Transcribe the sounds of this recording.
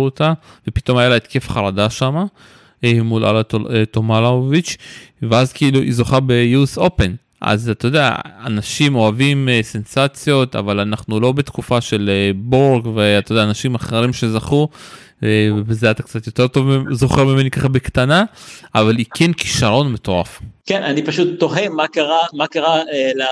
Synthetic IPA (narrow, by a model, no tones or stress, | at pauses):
ot̪ave̞pit̪o̞majalaet̪ke̞fχaʁad̪aʃama | emulʔa̰latoet̪omalaovit͡ʃveazkeiluʔḭzo̞χabejuso̞pe̞n | ʔa̰zat̪ajod̪ea̰a̰naʃimo̞avimse̞nsat͡sjo̞t̪a̰valanaχnulo̞be̞t̪kufaʃe̞leboʁɡveat̪ajd̪eaːnaʃimaχeʁimʃe̞zaχu | vebezeat̪ak̚t͡sat̪jo̞t̪e̞ʁt̪ovzo̞χeʁmeme̞nikaχabekt̪anaʔavalikʰenki̥ʃaʁo̞nmet̪o̞ʁafkenʔanipaʃut̪ːo̞ɦemakaʁamakaʁaela